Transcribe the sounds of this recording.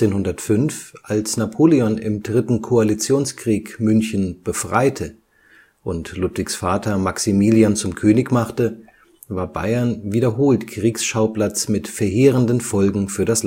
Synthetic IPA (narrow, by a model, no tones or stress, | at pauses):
t͡seːnhʊndɐtfʏnfʔalsnapʰoːleɔnɪ̰mdʁɪtn̩kʰoalit͡sjoːnskʁ̥iːkmʏnçən̩b̥əfʁ̥a̰ɪtʰə | ʔʊntlʊtv̥ɪksfaːtʰɐmaksimiːliant͡sʊmkʰøːnɪçmaχtə | vaːɐba̰ɪɐnviːɾɐɦoːltkʁ̥iːksʃaʊplat͡smɪtfɛɐɦeːʁəndənfɔlɡŋ̩fyːɐdasl